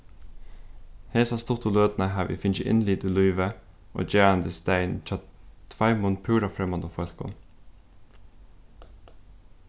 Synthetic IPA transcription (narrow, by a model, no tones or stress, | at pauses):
heːsɑst̪ʊt̪ʊløːd̪nəɦæːʋḭːfɪnd͡ʒəʔɪ̰nliːd̪yːlyʏʋə | ʔo̰ːd͡ʒæːɑnd̪əst̪æɪnt͡ʃʰɑt̪ʰfɑɪmʊnpʰʉːɾɑfɾɛmɑnd̪əfœlkʊ̰n